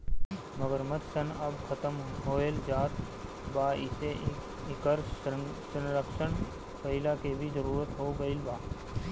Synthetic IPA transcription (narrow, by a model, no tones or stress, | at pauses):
məɡəɾmɐt̪sənɐbkʰɐt̪əmɦoːeld͡ʒaːt̪ | baːɪse | ɪkəɾsənɾəkʃən | kəɪlaːkebʱizəɾuːɾət̪ɦoːɡəɪlbaː